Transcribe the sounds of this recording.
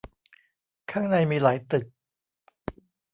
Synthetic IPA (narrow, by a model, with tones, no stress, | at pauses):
kʰaː˥˩ŋna˧jmiː˧laː˩˦jt̪ɯ˨˩k̚